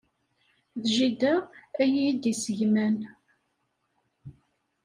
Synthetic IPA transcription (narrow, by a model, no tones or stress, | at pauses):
ðʒid̪ææjid̪isəʝmæn